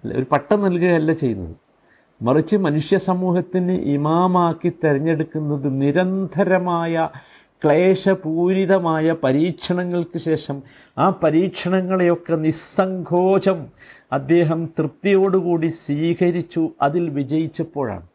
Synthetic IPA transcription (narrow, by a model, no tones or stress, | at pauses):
l̰o̰ɾupɐʈːɐnɐlkɨɣɐɐlːɐt͡ɕejunːɐ̰ðɨ̰ | mɐrit͡ɕːɨmɐnuʂjɐsɐmuːhɐt̪ːinɨʔimaːmaːkːit̪ːeɾɐɲːe̞ɽukːunːɐðɨniɾɐnd̪ʱɐɾɐmaːjɐ | kɭeːʂɐpuːɾiðɐmaːjɐpɐɾiːkʂɐɳɐŋːɐɭkɨɕe̞ːʂɐm | aːpɐɾiːkʂɐɳɐŋːɐɭejo̞kːe̞nisɐŋɡʰʱo̞ːɕɐmɐd̪ːe̞ːɦɐmt̪rɨt̪ːijo̞ːɽukuːɽiswiːkɐɾit͡ɕːuɐðilʋid͡ʑɐjit͡ɕːɐpːo̞ːɻa̰ːɳɨ